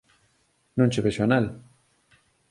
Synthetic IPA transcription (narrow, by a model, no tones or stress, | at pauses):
nũnt͡ʃeβeʃoanal